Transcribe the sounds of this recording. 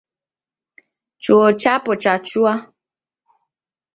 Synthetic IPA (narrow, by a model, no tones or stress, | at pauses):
t͡ʃuot͡ʃapɔt͡ʃat͡ʃua